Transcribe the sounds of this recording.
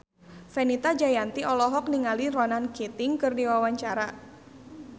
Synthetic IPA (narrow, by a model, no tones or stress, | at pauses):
fɛnit̪ad͡ʒajant̪iɔlɔɦɔk̚niŋalirɔnanket̪ɪŋkɨrdiwawaɲt͡ʃaɾa